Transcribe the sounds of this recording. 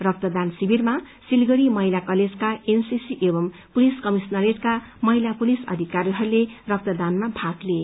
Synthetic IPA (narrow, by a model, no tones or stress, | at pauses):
rʌk̚t̪ʌd̪ansibʱirma | silɡʌɾimʌɦilakʌled͡zkaensisiʔebʌmpuliskʌmisnʌɾeʈkamʌɦilapulisʌ̰d̪ʱikaɾiɦʌɾulerʌk̚t̪ʌd̪anmabʱakle